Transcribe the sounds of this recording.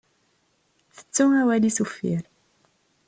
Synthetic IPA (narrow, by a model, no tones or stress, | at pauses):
θə̥t͡sːuæwælisufːḭɾ